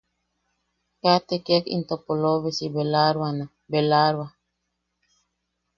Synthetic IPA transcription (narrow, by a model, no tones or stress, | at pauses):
kat̪ekekḭnt̪opoloβesibelaɾwana | belaɾwa